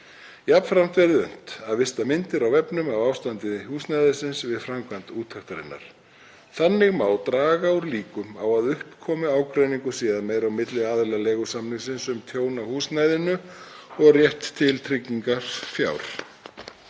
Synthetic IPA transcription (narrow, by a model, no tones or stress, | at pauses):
japnfɾam̥t̪vɛɾðɪʏ̰n̥t̪aðvɪst̪amɪnt̪ɪɾawvɛpnʏmavaːwst̪ant̪ɪðhuːsnajðɪsɪnsvɪðfɾamkʰvant̪uːt̪ʰːaxt̪aɾɪ̰nːa̰ɾ̥ | θanːɪɣmaːwt̪ɾaːɣauɾliːkʏmawaðʏhpkʰɔːmʏaːwkɾeɥniŋkʏsiːðaðmeːjɾawmɪt̪lɪaːðɪlalɛːɣʏsamlɪŋsɪnsʏmt̪ʰjoːwnahuːsnajðɪnʏɔɣrjɛht̪ʰːɪlt̪ʰɾɪcːiŋkaɾ̥fja̰ːwɾ̥